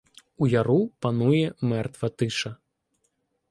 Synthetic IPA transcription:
ujaɾupanujɛmɛrt̪vɐt̪ɨʂɐ

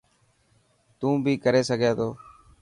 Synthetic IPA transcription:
t̪ũːbʱiːkəɾeːsəɡʱeːt̪ʰoː

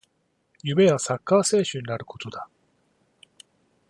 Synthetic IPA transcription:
jɯme̞βasakːaːse̞ːɕɨɲ̟inaɾɯ̟ko̞̥t̪o̞d̪a

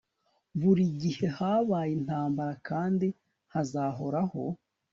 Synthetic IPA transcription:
βuɾiɟihe̞haβaːjin̥haːmbaɾakaːndi | hazaɦo̞ɾaho

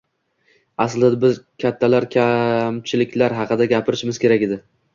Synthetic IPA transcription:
asld̪abɪzkʲʰat̪ʰːalaɾkʲʰamt͡ʃʰɪlɪkʲlaɾɦɑqʰɨd̪aɡʲapʰɪɾɪʃɪmɪz̥kʲʰe̞ɾakʲɪd̪ɪ

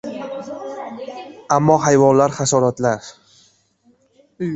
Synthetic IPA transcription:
amːɒhajvɒnlaɾχasɒɾat̪laɾ

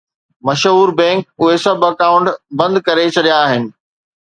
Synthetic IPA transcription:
mɐʃɦuːɾbɛ̃ːŋk̚ʊɦesɐbɐkaːʊ̃ɳʈbɐ̃nd̪kɐɾet͡ɕʰɐɗijaːɦɪnɪ̆

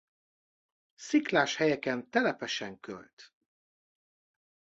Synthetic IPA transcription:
siklaːʃhɛjɛkɛnt̪ɛlɛpɛʃɛŋkø̰lt̪

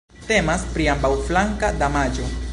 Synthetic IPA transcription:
te̞maspɾiambawflaŋkadamad͡ʒo̞

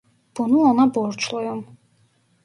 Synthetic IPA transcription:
b̥ɔnuɔnabɔːɾt͡ʃʰlɔjɔm

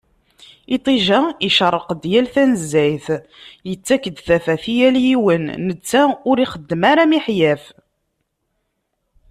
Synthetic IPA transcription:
it̪ˤiʒæiʃəɾˤəqd̪jælθænəzːæjθ | jət͡sːækːəd̪θæfæθijæljiwənːət͡sːæʊɾiχəd̪ːəmaɾamiħjæf

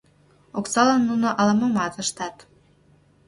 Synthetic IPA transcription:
oksɑlənːunoʔɑlɑmɤmɑt̪əʃt̪ɑt̪

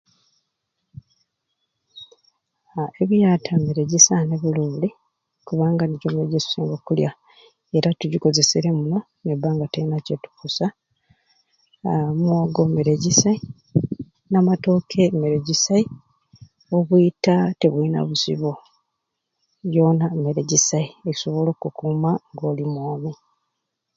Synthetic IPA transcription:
eβijatʰameɾe̞ɟisaneβuluːli | kuβaːŋɡaneɟomeɾeɟesu̥siːŋɡokulja̰ | e̞ɾatuɟiko̞ze̞seɾemuno̞ | nebːaːŋɡateinacetu̥kusa | mwaɡo̞meɾeɟisai | namato̞kʰe̞meɾe̞ɟisai | o̞βwuitate̞βwina̰βusḭβo | jo̞ːnameɾe̞ɟisaieci̥so̞βo̞lo̞ːkukuːmaŋɡo̞ːlimwoːmi

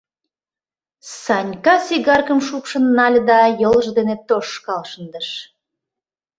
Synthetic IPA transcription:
sɑnʲkɑsiɣɑrkəmʃupʃə̆nːɑlʲd̪ɑjoləʒd̪enet̪oʃkɑlʃənd̪ə̆ʃ

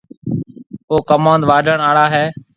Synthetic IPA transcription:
oːkəmõːnd̪ʋaːɖʱəɳaːɽaːɦeː

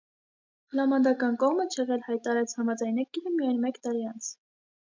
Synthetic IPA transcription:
hlɑmɑnd̪ɑkɑnkɔʁmət͡ʃʰɛʁɛlhɑjt̪ɑɑɾɛt͡sʰhɑmɑd͡zɑjnɛkiɾəmijɑjnmɛkt̪ɑɾiɑnt͡sʰ

